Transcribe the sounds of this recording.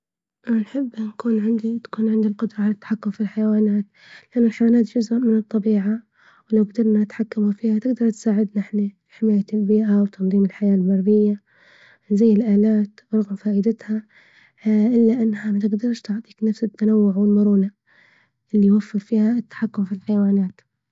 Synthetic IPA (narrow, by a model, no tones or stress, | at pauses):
anħɪbːnakuːnʕɪnd̪it̪ḁkuːnʕɪnd̪ilqʊd̪ɾˤɑʕalat̪ːaħakːʊmfilħajwaːnaːt̪ | lɪʔanːʊlħawaːnaːt̪d͡ʒʊzʔʊmɪnɨt̪ˤːɑbiːʕa | wlawɡd̪ɑɾˤnanɪt̪ħakːamufiːhat̪ɪɡd̪ɑɾˤt̪saːʕɪd̪nɪħna | ħɪmaːjaɪlbiːʔawt̪ɑnðˤiːmɪlħajaːlmɑɾˤbɪjːa | zajːɪlʔaːlaːt̪ɾˤɑɣmfaːʔɪd̪ɪt̪ha | ʔɪlːaʔɪnːhamat̪ɪɡd̪ɑɾˤʃt̪ʊʕt̪ˤiːknafsɪt̪ːanawːʊʕwɪlmʊɾuːna | ʔɪlːijwafːɪɾfiːhaɪt̪ːḁħakːʊmfilħajawaːnaːt̪